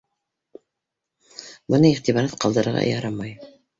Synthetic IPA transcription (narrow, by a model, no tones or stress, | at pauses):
bɤ̆nɤiʁt̪iβɑɾɑt̪qɑlˠd̪ɤ̆ɾɤ̆ɾʁɑ̰jɑɾɑmɑj